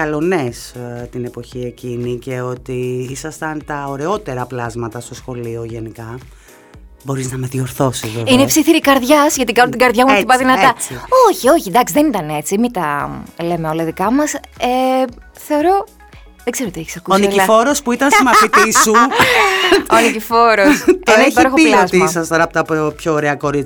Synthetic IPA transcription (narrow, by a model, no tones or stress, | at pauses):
kɐlo̞nest̪ine̞po̞çie̞cinice̞o̞t̪iisɐst̪ɐnt̪ɐoɾe̞o̞t̪e̞ɾɐplɐzmɐt̪ɐst̪o̞sxo̞lio̞ʝe̞nikɐ | bo̞ɾiznɐme̞ðio̞ɾθo̞sizveinepsiθiɾikɐɾðʝɐsʝɐt̪ikɐnunt̪ɡɐɾðʝɐmuθipɐðinɐɐoçio̞çind̪ɐksiðenit̪ɐne̞t͡simit̪ɐle̞meo̞lɐðikɐmɐse | θe̞o̞ɾo̞ | ðeɡzeot̪ieçi̥sɐkusoiniifo̞ɾospuit̪ɐnsimɐfit̪isu | onicifo̞ɾost̪eeçiɾoxoilɐozt̪iisɐstɐɾɐpot̪ɐpopçoːɾeɐko̞ɾit͡s